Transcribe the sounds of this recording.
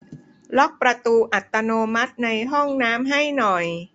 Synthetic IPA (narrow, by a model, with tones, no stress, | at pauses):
lɔ˦˥k̚pɾa˧t̪uː˧ʔa˨˩t̪ːa˧noː˧ma˦˥t̪̚na˧jɦɔ˥˩ŋnaː˦˥mɦa˥˩jnɔ˨˩j